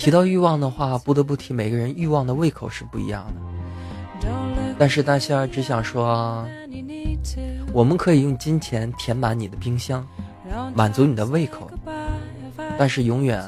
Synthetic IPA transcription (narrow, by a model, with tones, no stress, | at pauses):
t̪ʰi˧˥t̪ɑ˥˧ʊy˥˧wɑ˥˩ŋd̪ə˩xwa˥˩pu˥˩t̪ɤ˧˥p̬u˥˩t̪ʰi˧˥me˨˩ɪɡə˦˧ɻə˧˥ny˥˧wɑ˥˩ŋd̪ə˩we˥˩ɪkʰo˨˩ʊʂɻ̩˥˧pu˥˩ḭ˧˥jɑ̰˥˩ŋd̪ə˩ | t̪a˥˧nʂɻ̩˥˧t̪a˥˧ɕa˥˩˥ʈ͡ʂɻ̩˧˥ɕjɑ˨˩ŋʂwɔ˥˧ | wɔ˨˩mə˦nkʰɤ˧˥i˨˩jʊ˥˩ŋt͡ɕi˥nt͡ɕʰjɛ˧˥nt̪ʰjɛ˧˥nma˧˥nni˨˩d̪ə˦pi˥ŋɕjɑ˥ŋ | ma˨˩nt͡su˧˥ni˨˩ə˦we˥˩ɪkʰo˨˩˦ʊ | t̪a˥˧nʂɻ̩˥˩jʊ˧˥ŋɥɛ̰˨˩˦n